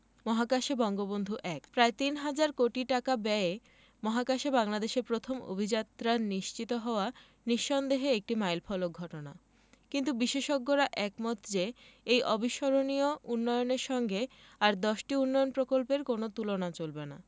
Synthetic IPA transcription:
mɔɦakaʃebɔŋɡobond̪ʱuʔɛkpɾaet̪inɦad͡ʑaɾkoʈiʈakabɛe | mɔɦakaʃebaŋlad̪eʃeɾpɾot̪ʰomo̰bʱid͡ʑat̪ːɾaɾniʃt͡ɕit̪oɦɔoa | niʃːɔnd̪eɦeek̚ʈimajlfʰɔlok̚ɡʱɔʈona | kint̪ubiʃeʃoɡːoɾaʔɛkmɔt̪ʰd͡ʑeejʔɔbʱiʃɔɾoniounːɔjoneɾʃɔŋɡe | aɾd̪ɔʃʈiunːɔjonpɾokolpeɾkonot̪ulonat͡ɕolbena̰

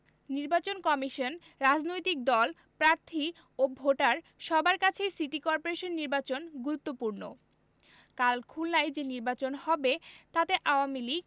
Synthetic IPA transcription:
niɾbat͡ɕonkɔmiʃon | ɾad͡ʑnojt̪ik̚d̪ɔl | pɾaɾt̪ʰi | obʱoʈaɾ | ʃɔbaɾkat͡ɕʰejsiʈikɔɾpoɾeʃonːiɾbat͡ɕonɡuɾut̪ːopuɾno̰ | kalkʰulnajd͡ʑeniɾbat͡ɕonhɔbet̪at̪eʔaoamiliɡ

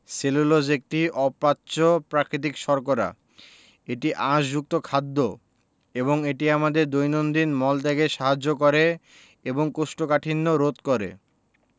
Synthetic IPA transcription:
selulod͡ʑek̚t̪iʔɔpːatːɕopɾakɾit̪̬ikʃɔɾkoɾa̰ | eʈiʔãʃd͡ʑuk̚t̪okʰad̪ːo | eboŋeʈiamad̪eɾd̪ojnond̪inmɔlt̪eɡeʃaɦad͡ʑːokɔɾe | eboŋkoʃʈokaʈʰinːoɾot̪koɾḛ

